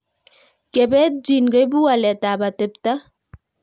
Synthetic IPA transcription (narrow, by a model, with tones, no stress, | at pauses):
ke˨bɛ˦t̚d͡ʒi˨nɡə˦jbu˦a˨lɛ˨ta˨ba˨te˨p̚ta˦